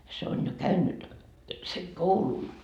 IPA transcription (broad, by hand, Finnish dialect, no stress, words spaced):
se on jo kæynːyt seŋ koulun